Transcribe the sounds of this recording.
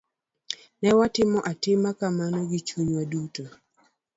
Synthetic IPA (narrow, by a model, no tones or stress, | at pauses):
nɛwatɪmɔʔatɪmakamanɔɡɪt͡ʃuɲwaduto